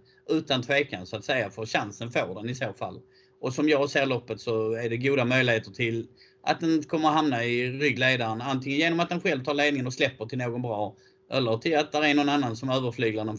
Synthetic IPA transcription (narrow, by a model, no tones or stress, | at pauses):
ʔʉ̟ːt̪ant̪ʰveːkansʊat̪sɛjːafəɾɕansənfoːɖɛnɪsoːfa̰lː | ʔɔsɔmjɑːɡseːɾɭɔpːət̪sɔæɖɛɡuːd̪amœʏjlɪheːt̪əʈʰɪl | ʔa̰t̪̚d̪ɛnt̪kʰɔmːəɾɔɦamnaɪɾʏɡːleːd̪aɾənant̪ʰɪŋənjeːnɔmat̪̚d̪ɛnɧɛlvt̪ʰɑːɾɭeːd̪nɪŋənɔslɛpːəʈʰɪlnoːɡɔnbɾɑː | ʔɛlːəɾʈʰɪlat̪̚d̪æɾænɔnanːansɔmøːvəɾflyːɡlanən